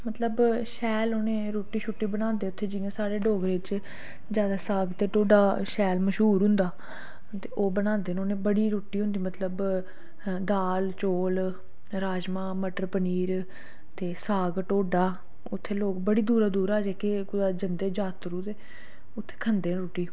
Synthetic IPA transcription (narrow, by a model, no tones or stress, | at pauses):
mət̪ləbʃɛːloːnẽːɾoːʈːiːʃʰʊʈːiːbənãːnd̪eːʊt̪ʰːeːd͡ʒɪãːsaːɽeːɖoːɡɾet͡ʃ | d͡ʒjaːd̪aːsaːɡt̪eːʈoːɖaːʃɛːlməʃɦuːɾɦʊ̃nd̪aː | t̪eːʔoːbənãːnd̪eːnoːnẽːbəɽiːɾoːʈiːɦʊ̃nd̪iːmət̪ləb | d̪aːlt͡ʃoːl | ɾaːd͡ʒmaːməʈəɾpəniːɾ | t̪eːsaːɡʈoːɖaː | ʊt̪ʰːeːloːkbəɽiːd̪uːɾaːd̪uːɾaːd͡ʒeːkekʊd̪aːd͡ʒənd̪eːd͡ʒaːt̪ɾuːt̪eː | ʊt̪ʰːe̥ːkʰənd̪ẽːɾoːʈiː